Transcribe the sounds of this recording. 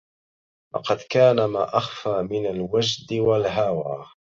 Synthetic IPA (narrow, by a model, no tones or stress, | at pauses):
wɑ̰qɑd̪kaːnama̰ːʔaxfaːmɪnalwad͡ʒd̪ɪwalɦawaː